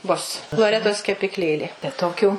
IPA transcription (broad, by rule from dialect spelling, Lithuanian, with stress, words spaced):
bʊs lˠoːˈrʲæːtoːs kʲɛpʲɪkˈlʲeːlʲeː tɐɪ toːˈkʲuː